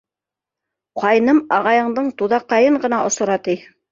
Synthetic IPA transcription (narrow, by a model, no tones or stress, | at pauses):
qɑjnɤmɑʁɑjɤ̆ɴd̪ɤɴt̪uðɑqːɑjɤɴɢɤ̆nɑʔŏsŏɾɑt̪ij